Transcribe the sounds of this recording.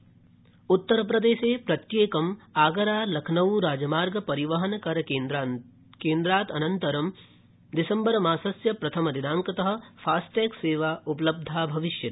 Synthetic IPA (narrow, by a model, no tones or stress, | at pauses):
ʊt̪ːɐɾpɾɐd̪eːʃeːpɾɐt̪jeːkɐmaːɡɐɾaːlɐkʰnɐʋuɾaːd͡ʒɐmaːɾɡɐpɐɾiʋɐɦɐnkɐɾ | kẽːnd̪ɾaːt̪ɐnɐnt̪ɐɾɐm | d̪ɪsɐ̃mbɐɾɐmaːsɐsjɐpɾɐt̪ʰɐmɐd̪id̪ãːŋkɐt̪ɐɦɐ̆pʰaːsʈeːkseːʋaːupɐlɐb̚d̪ʱaːbʱɐʋɪʃjɐt̪